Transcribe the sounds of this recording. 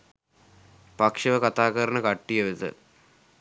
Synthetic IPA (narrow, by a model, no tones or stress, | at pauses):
pɐkʂɐʋɐkɐt̪aːɣɐɾɐɳɐkɐʈːijɐʋit̪ɨ̰